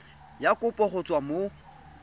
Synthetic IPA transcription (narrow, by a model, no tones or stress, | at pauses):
jakʼʊpʼɔχʊt͡sʼwamo